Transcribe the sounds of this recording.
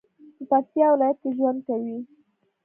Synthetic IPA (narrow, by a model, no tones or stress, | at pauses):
p̪əpak̚t̪jɑwɪlɑjat̪̚keʒwand̪̚kawi